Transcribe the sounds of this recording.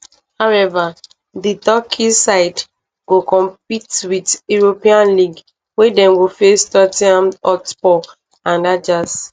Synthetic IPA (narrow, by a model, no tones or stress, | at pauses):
hawɛva | ditɔkʰisaɪd | ɡ̥okɔ̃mpitwiduɹopĩãnliɡ | wedɛ̃mɡofestɔtiãmɔtbɔ | ãndad͡ʒas